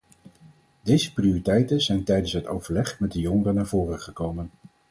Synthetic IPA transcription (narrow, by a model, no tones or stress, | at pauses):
dejzəpriʊritɛjtəzɛjntɛjdənsɦəto̰wvəɹlɛχmɛdəjɔŋərənaːɹvʊːrəχəkowmən